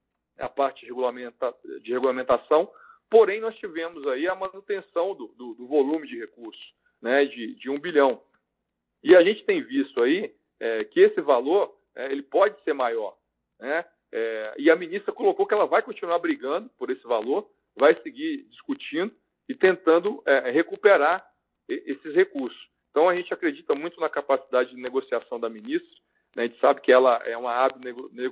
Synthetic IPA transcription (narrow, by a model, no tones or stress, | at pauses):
ɛɐ̰paɾt͡ʃɪd͡ʒɪhɦeɡulamẽt̪ad͡ʒɪheɡulamẽnt̪asɐ̃w̃poɾẽj̃nɔst͡ʃivẽmʊzaiɐmɐ̃nut̪ẽsɐ̃w̃d̪ʊd̪ʊd̪ʊvolũmɪd͡ʒɪhekuɾsʊ̥ | nɛd͡ʒɪd͡ʒɪũbiʎɐ̃w̃ | ɪaʒẽnt͡ʃɪ̥t̪ẽj̃vist̪ʊai | ɛkɪesɪvaloɾ | ɛelɪpɔd͡ʒɪseɾmajɔɾ | nɛ | ɛɪɐmĩnist̪ɾɐkolokokɪɛlɐvajkõnt͡ʃinuaɾbɾiɡɐ̃nd̪ʊpoɾesɪvaloɾ | vajsɪɡiɾd͡ʒiskut͡ʃĩnd̪ʊ | ɪt̪ẽnt̪ɐ̃nd̪ʊɛhekupeɾaɾ | eʔesɪshekuɾsʊ̥sẽt̪ɐ̃w̃ɐʒẽnt͡ʃɪakɾed͡ʒit̪ɐmũj̃t̪ʊnɐkapasid̪ad͡ʒɪd͡ʒɪneɡosiasɐ̃w̃d̪ɐmĩnist̪ɾɐ̥ | nɛʒẽt͡ʃɪ̥sabɪkɪɛlɐɛ̰ũmɐabɪneɡone